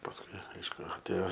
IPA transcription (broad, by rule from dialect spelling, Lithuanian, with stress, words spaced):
pɐsˈkʊɪ ˈɐɪʃkʊ ɐtʲˈeːjoː